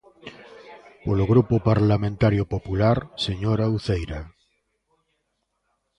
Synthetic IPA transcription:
poloɣɾupopaɾlamẽnt̪aɾjopopulaɾseɲoɾauθejɾa

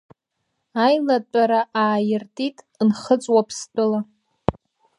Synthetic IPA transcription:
ajlat͡pʷʼaɾaʔaːjɪrtʼitʼ | nχət͡sʼwapʰst͡pʼɨla

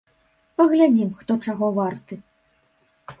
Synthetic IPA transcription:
pɐɣlʲad͡zʲimxt̪ɔt͡ʂaɣɔvart̪ɨ

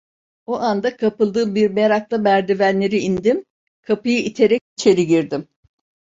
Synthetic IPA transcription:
oʔand̪akʰapɯlˠd̪ɯːmbiɾmeɾak̚lˠamæɾd̪ivænlːʲeɾiind̪im | kʰapɯjɯʔit̪ʰe̞ɾɛc̚it͡ʃʰe̞ɾiɟiɾd̪im

